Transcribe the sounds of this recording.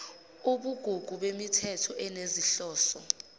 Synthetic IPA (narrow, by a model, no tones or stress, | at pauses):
uɓuɡ̥ʱuɡ̥ʱuɓemitʰɛtʰɔʔɛneziɬɔːsɔ